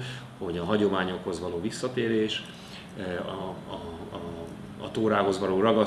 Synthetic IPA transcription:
ho̞ɟɒɦɒɟo̞maːɲo̞khozʋɒloːvisːɒt̪eːɾeːʃ | ɒ | t̪oːɾaːɦo̞zʋɒloːrɒɡɒ

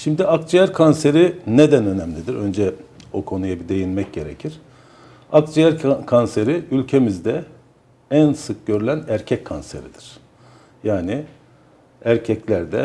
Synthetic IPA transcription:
ʃimd̪iakd͡ʒijæɾkʰonse̞ɾine̞d̪ænø̞nɛmlʲid̪iɾø̞nd͡ʒɛokʰo̞nujabid̪e̞jinmɛc̚ɟe̞ɾecʰiɾ̥ | akd͡ʒijæɾkʰonse̞ɾiylʲcʰe̞mizd̪ɛ | ænsɯk̚ɟ̥ø̞ɾylʲænæɾcʰɛcʰːonse̞̰ɾid̪̥iɾ̥ | jaːni | æɾcʰɛclʲæɾd̪ɛ̰

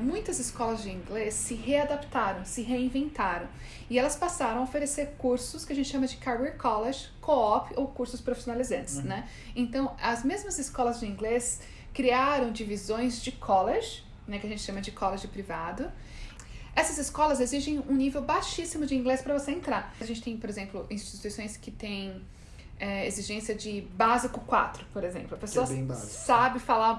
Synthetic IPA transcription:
mũj̃t̪ɐzɪskɔlɐzd͡ʒɪĩŋɡlesːɪɦead̪apt̪aɾɐ̃w̃sɪɦeĩvẽnt̪aɾɐ̃w̃ | ɪɛlɐspasaɾɐ̃w̃ɐofeɾeseɾkuɾsʊskɪɐʒẽt͡ʃɪʃɐ̃mɐd͡ʒɪkaɾbɛɾkɔleʒɪkʰoɔpɪowkuɾsʊspɾofisjonalizɐ̃nt͡ʃɪ̥snɛ | ẽnt̪ɐ̃w̃ɐzmezmɐzɪskɔlɐzd͡ʒɪĩɡles | kɾiaɾɐ̃w̃d͡ʒivizõj̃zd͡ʒɪkʰɔleʒɪ | nɛkɪɐʒẽnt͡ʃɪʃɐ̃mɐd͡ʒɪkʰɔleʒɪpɾivad̪ʊ | ɛsɐzɪskɔlɐzeziʒẽj̃ũnivewbaʃisimʊd͡ʒɪĩŋɡlespɾɐvoseẽnt̪ɾaɐʒẽnt͡ʃɪ̥t̪ẽj̃poɾezẽmplʊʔĩst͡ʃit̪uisõj̃skɪt̪ẽj̃ | ɛeziʒẽsiɐd͡ʒɪbazikʊkwa̰t̪ɾʊpoɾezḛ̃mplʊɐpesoɐa̰sabɪfala

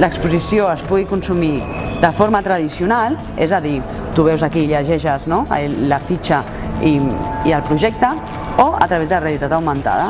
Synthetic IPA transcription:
ləkspuzisioəspuɣikunsumid̪əfoɾmət̪ɾaðisjunal | ḛzəði | t̪uβɛwzakiːʎəʒɛʃəzno̰ləfit͡ʃə | iiəlˠpɾuʒɛk̚t̪ə | oə̰t̪ɾəɐβezðəlarealit̪at̪awmə̃nt̪a̰ðə

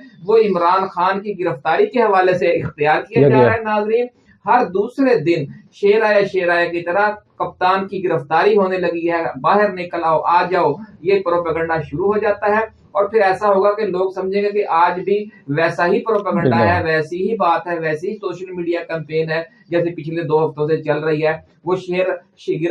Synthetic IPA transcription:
ʋoɪmɾaːnxaːnkiɡɪɾəft̪aːɾikeɦɐʋaːleseɪxt̪ɪjaːɾkijad͡ʒaːɾaɦɛnaːzɾiːn | hɐɾd̪uːsɾed̪ɪnʃeːɾaːjaʃeːɾaːjakit̪ɐɾəkɐp̚t̪aːnkiɡɪɾəft̪aːɾiɦoːnelɐɡiɦɛːbaːɦɪɾnɪkəlaːoʔaːd͡ʒaːojepɾoːpəːɡə̃ɳɖaʃʊɾuɦoːd͡ʒaːt̪aɦɛ | ɔːɾpʰɪɾɛːsaɦoːɡakeloːɡsɐmd͡ʒʱẽːɡekeʔaːd͡ʒbʱiʋɛːsaɦipɾoːpəːɡə̃ɳɖaɦɛʋɛːsiɦibaːt̪ɦɛʋɛːseɦisoːʃəlmiːɖijaːkɛ̃ːmpeːnɦɛː | d͡ʒɛːsepɪt͡ʃʰled̪oːɦɐft̪õs̬et͡ʃɐlɾɐɦiɦɛː | ʋoːʃeːɾ | ʃɡɪ

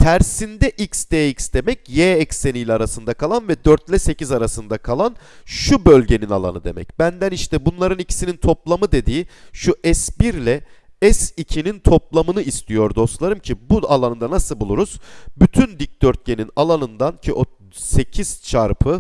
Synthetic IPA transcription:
t̪ʰæɾsind̪ɛʔicsd̪eicsd̪e̞mɛcjeːɛcsːe̞nijlʲɛaɾasɯnd̪akʰalˠanvɛd̪øɾt̪lʲɛse̞cizaɾasɯnd̪akʰalˠan | ʃubølʲɟe̞nina̰lˠa̰nɯd̪e̞̰mɛ̰cb̥ænd̪æniʃt̪ɛbunlˠaɾɯnicʰi̥sinint̪ʰo̞plˠamɯd̪e̞d̪iːʃuʔɛsbiɾlʲɛɛsicʰinint̪ʰo̞plˠamɯnɯist̪ʰijo̞ɾd̪o̞st̪lˠaɾɯmcʰibualˠanɯnd̪anasɯlˠbulˠuɾuz̥byt̪ʰynd̪ic̚d̪̥øɾt̪̚ce̞ninalˠanɯnd̪ancʰiʔo̞ | se̞cʰiz̥t͡ʃʰaɾpʰɯ

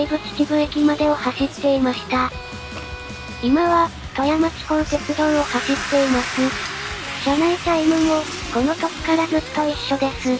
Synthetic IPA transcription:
eibɯ̟t͡sɨ̥kʲibɯ̟̃e̞kʲimad̪e̞o̞haɕit̪ːe̞imaɕi̥t̪a | imaβa | t̪ojamat͡ɕi̥kõ̞nt̪e̞sɨd̪õɰ̃o̞haɕit̪ːe̞imasɨ | ɕanait̪aimɯ̟̃ɰo | ko̞no̞t̪oki̥kaɾazɯɕi̥t̪oiɕːo̞d̪e̞sɨ

